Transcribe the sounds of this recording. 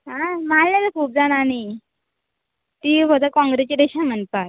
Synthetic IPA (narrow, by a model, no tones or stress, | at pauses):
ɦãmallat͡səkʰuːp̚d͡zanani | t̪iːʋəd̪əkɔ̃ŋɡɾet͡ɕid̪eɕam̤ənpaj